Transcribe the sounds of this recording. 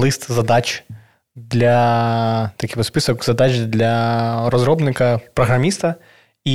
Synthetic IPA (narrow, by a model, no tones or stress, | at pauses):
lˠɨst̪zɐd̪ɑt͡ʃ | d̪lʲɐ | t̪ɐkʲibɔt̪spɨsɔkz̥ɐd̪at͡ʃd̪lʲɐrɔzɾɔbnɪkɐpɾɔɦɾɐmʲist̪ɐ | i